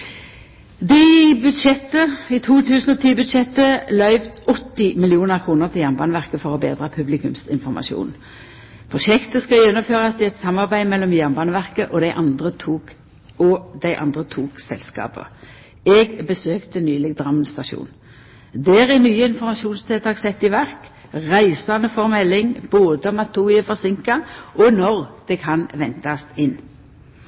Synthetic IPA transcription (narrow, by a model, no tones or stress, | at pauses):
d̪ɪbʉd̪ʃɛt̪ːəɪt̪ʰuːt̪ʰʉːsnɔt̪ʰiːbʉd̪ʃɛt̪əlœʏʋt̪ɔt̪ːɪmɪlɪuːnəʁkʰʁuːnəʁt̪ʰɪljæʁnbɑːnəʋæʁkəfɔʁɔbḛːd̪ʁəpʰʉblɪkʉmsɪ̰nfɔʁmʔɑ̰ʃṵːn | pʰʁʊʃɛkt̪əskɑjɛnːɔmføːʁɑst̪ɪɛt̪sɑmːɑʁbæɪmɛlːɔmjæʁnbɑːnəʋæʁkəʔɔd̪æɪʔɑnd̪ʁət̪ʰuːk | ɔd̪æɪʔɑ̰nd̪ʁət̪ʰuːksɛ̰lskɑ̰ːpə̰ | ɛɡbəsøːkt̪ənyːlɪɡd̪ʁɑmnst̪ɑʃṵːn | d̪æːʁɛnyːəɪnfɔʁmɑʃuːnst̪ʰeːt̪ʰɑːʁsɛt̪ːɪʋæʁk | ʁæɪsɑnəfɔʁmɛlːɪŋboːd̪əmɑt̪ʰːuɪəfɔʁsɪŋkɑʔɔnɔʁd̪̥ɛkʰɑnʋɛnt̪ɑst̪ɪnː